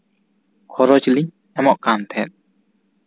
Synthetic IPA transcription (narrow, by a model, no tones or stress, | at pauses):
kʰɔɾɔd͡ʒli | ɛmɔʔkant̪ʰɛt̪̚